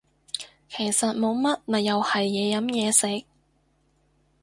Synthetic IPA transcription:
kʰe˨˩jsɐ˨t̚mo˨˧wmɐ˥t̚mɐ˨˩jɐ˨˧whɐ˨jːɛː˨˧jɐ˨˥mjɛː˨˧sɪ˨˥k̚

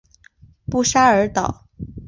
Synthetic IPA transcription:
pu˥˩ʂa˥ə˞˧˥t̪ɑ̰˨˩˦ʊ

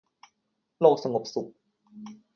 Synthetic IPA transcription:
loː˥˩k̚sa˧ŋo˨˩p̚su˨˩k̚

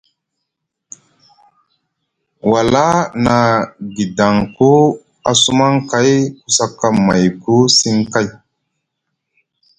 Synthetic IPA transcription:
wa˨la˦na˨ɡi˨da˨ŋko˦ | a˨su˦ma˦ŋka˦jku˦sa˦kːa˦ma̰˨jku˦si˦ŋka˦j

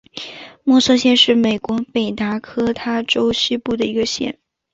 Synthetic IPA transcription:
mwɔ˥˩sɤ˥ɕjɛ˥˧nʂɻ̩˥˩me˨˩ɪkwɔ˧˥pe˨˩ɪt̪a˧˥kʰɤ˥t̪ʰa˥ʈ͡ʂo˥ʊɕy˥pu˥˩d̪ə˩i˧˥ɡə˧ɕjɛ̰˥˩n

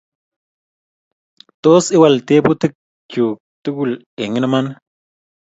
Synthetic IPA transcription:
t̪o˦si˦wa˨lt̪e˦pu˦t̪ɨ˦k̚ | t͡ʃu˨k̚t̪u˦ku˦˨l | e˨ŋi˦naman

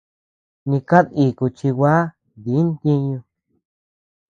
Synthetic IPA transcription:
nĩ˧ka˦ði˧˨ku˧t͡ʃi˧wa˦ | d̪i˨˦nt̪ĩ˧ɲũ˧

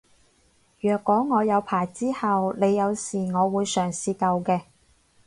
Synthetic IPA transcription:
jœː˨˩kːɔː˨˥ŋɔː˨˧jɐ˨˧wpʰaː˨˩jt͡siː˥hɐ˨wne˨˧jːɐ˨˧wsiː˨˩ŋɔː˨˧wuː˨˧jsœː˨˩ŋsiː˨˧kɐ˧wkɛː˧

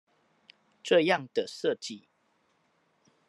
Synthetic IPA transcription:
ʈ͡ʂɤ˥˧jɑ˥˨ŋd̪ə˨ʂə˥˨t͡ɕi˥˨

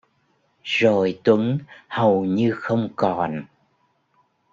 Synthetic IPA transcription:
zo˨˩jt̪wə˨˦ŋhə˨˩wɲɨ˧xə˧wŋ͡mkɔ˨˩n

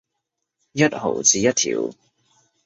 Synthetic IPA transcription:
jɐ˦˥t̚ho̰˨˩wt͡siː˧jɐ˦˥t̚t̪ʰḭː˨˩w

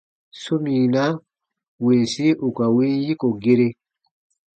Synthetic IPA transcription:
su˦miː˨na˦ | wi˨nsi˦ʔu˨ka˨wiː˦nji˦ko˨ɡe˦ɾe˦

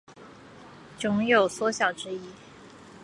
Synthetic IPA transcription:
t͡sʊ˧˥ŋjo˨˩ʊswɔ˥ɕjɑ˨˩ʊʈ͡ʂɻ̩˥i˥

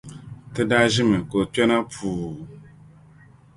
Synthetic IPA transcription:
tɪ˦da˦ʒɪ˦mɛ̃˨ko˨t͡ʃɛ˦nã˦pʰuː˨

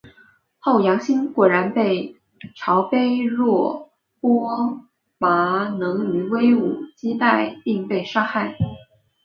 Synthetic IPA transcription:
xo˥˩ʊjɑ˧˥ŋɕi˥nkwɔ˨˩ɻa˧˥npe˥˩ɪ | ʈ͡ʂʰɑ˧˥ʊpe˥ɪɻwɔ˥˩ | pwɔ˥ | ma˧˥nɤ˧˥ŋy˧˥we˥ɪu˨˩t͡ɕi˥t̪a˥˧ɪpi˥˧ŋpe˥˩ɪʂa˥xa˥˩ɪ

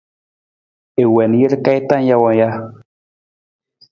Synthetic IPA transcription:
e˨we˨nje˦ɾka˦i˦t̪a˦nja˦wa˨ja˦

